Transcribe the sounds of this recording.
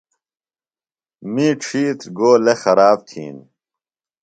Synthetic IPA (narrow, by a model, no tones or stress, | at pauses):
miːʈ͡ʂʰiːt̪ɡoːlexɐɾaːb̚t̪ʰḭːn